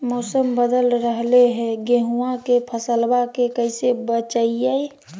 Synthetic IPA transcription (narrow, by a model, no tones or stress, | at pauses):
mɔːsəmbəd̪əlɾəɦleɦɛ̃ɡeɦuãkepʰəsəlbakekəisebət͡ʃaiae